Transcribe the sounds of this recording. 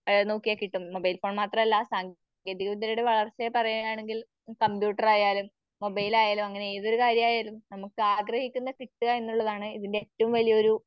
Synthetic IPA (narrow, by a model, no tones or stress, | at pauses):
no̞ːkːijɐkiʈːumːo̞bɐjlfo̞ːɳmaːt̪rɐmɐlːɐsaːŋɡ | eːðiɣɐʋind̪iɾuɽeʋɐɭɐrt͡ɕːepɐrɐjuaːɳe̞ŋɡil | kɐmpjuːʈːɐraːjaːlumː | o̞bɐjilaːjaːlumɐŋːɐneeːðo̞ɾukaːɾjɐmaːjaːɾluːnɐmukːɨaːɡrɐhikʲːunːɐkiʈːuɣɐe̞nːuɭːɐðaːɳɨiðindeːtːɐʋumʋɐlijɐo̞ɾu